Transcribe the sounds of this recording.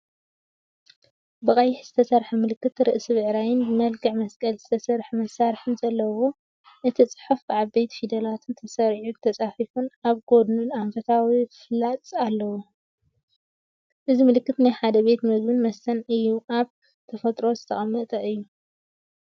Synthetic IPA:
bɨkʼɐjɪħz̥ɨt̪ʰɐsɐɾħɐmɨlɨkːɨt̪ɾɨʔsɨβɨʕɾajɪnbɨmɐlɡʰɨʕmɐskʼɐlzɨt̪ʰɐsɐɾħmɐsːaɾħɨnzɐlːɐwo̞ | ʔɨt̪ʰit͡sʼɨ̥ħufbɨʕabe̞t̪fid̪ɐlat̪ʰɨnt̪ʰɐsɐɾʕut̪ʰɐt͡sʼafifunaβɡo̞d̪nunaɱfɐt̪ʰawiflat͡s̪ʼalːɐwo | ʔɨzimɨlɨkːɨt̪najħad̪ɐβe̞t̪mɐzbɨnmɐsɐnʔɨjːuʔaβ | t̪ʰɐfɐt̪ʼɾo̞zɨt̪ʰɐ̰χʼɐmːɐt̪ʼɐʔɨjːu

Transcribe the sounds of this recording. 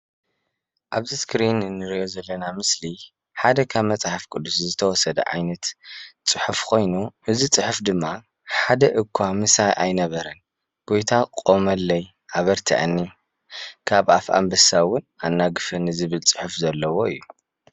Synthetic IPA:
ʔaβziskɾinɨnːɨɾijozɐlːɐnamɨsli | ħad̪ɐkʰaβmɐt͡sʼaħafkʼɨd̪ːuszɨt̪ʰɐwɔsɐd̪ɐ̰ʕa̰jnɐt̪t͡sʼɨħufkʰo̞jnuʔɨzit͡sʼɨħufd̪ɨmːa | ħad̪ɐʔɨkʰːamɨsajʔajnɐβɐɾɐn | ɡ̥o̞jt̪ʰaqʼo̞mɐlːɐj | ʔaβɐɾt̪ʰḭʕa̰nːi | kʰaβa̰fa̰mbɐsawʊnanːaɡɨfɨnɨzɨβɨlt͡sʼɨ̥ħufzɐlːɐwo̞ɨ̰jːu

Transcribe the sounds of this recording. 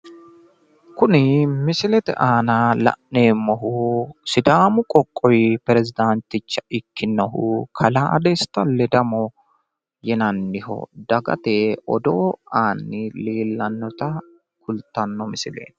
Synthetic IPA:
kʊnɪmɪsɪlɛt̪ɛ̰ʔaːnɐlɐ̰ʔne̞ːmːɔɦʊsɪd̪aːmʊkʼɔkʼːɔjpɛɾɛzɪd̪ant̪ɪt͡ʃːɐɪkːɪnːɔɦʊkʰɐlaːd̪ɛst̪ːɐlɛd̪ɐmɔ | jɛnɐnːɪhɔ̰d̪ɐɡɐ̰t̪eʔɔd̪o̰ːaːnːɪliːlːɐnːɔt̪ɐ | kʊlt̪ːɐnːɔmɪsɪlḛːn

